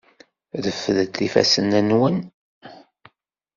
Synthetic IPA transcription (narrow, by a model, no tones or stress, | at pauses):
ðəfːðət̪ːifæ̰sənænwən